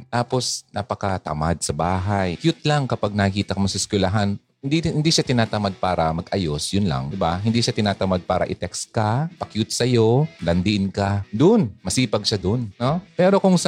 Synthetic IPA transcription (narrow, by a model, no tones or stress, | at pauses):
t̪aːpo̞snʔapɐkɐt̪ɐ̰mad̪̚sɐbaːɦajkjut̪̚laŋkɐpaɡ̚nɐkiːt̪ɐkɐmosɪskʊlɐɦan | nd̪ihɪnd̪iʃat̪ɪnaːt̪ɐmad̪̚paːɾɐmɐɡʔɐjo̞sjʊnla̰ŋd̪ɪbaɦɪnd̪iːʃat̪ɪnaːt̪ɐmad̪̚paːɾɐ̰ʔɪt̪ɛkst̪̚kɐpɐkjut̪̚sɐjo̞lɐnd̪ɪʔɪnkad̪onmɐsiːpɐɡ̚ʃad̪onːopɛːɾo̞kʊŋsɐ